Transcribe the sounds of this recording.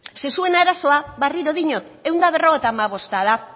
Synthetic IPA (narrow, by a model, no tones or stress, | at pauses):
se̞sue̞naɾaso̞aβariɾo̞ðiɲot | e̞wnd̪aβ̞e̞ro̞ɣet̪amaβ̞o̞st̪aða